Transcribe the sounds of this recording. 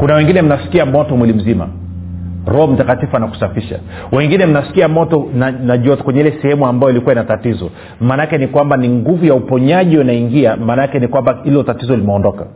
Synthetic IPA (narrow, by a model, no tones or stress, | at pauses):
kunawɛŋɡinɛm̩nasi̥kiamɔtɔmwilim̩zima̰ | ɾɔhɔm̩takatifuanaku̥safiʃa̰ | wɛŋɡinɛm̩nasi̥kiamɔtɔnanaʄuakwɛɲɛilɛsɛhɛmuambajɔilikuwainatatizɔ | maːnakɛnikwambaniŋɡuvujaupɔɲaʄiunaiŋɡiamaːnakɛnikwambailɔtatizɔlimɛɔndɔka̰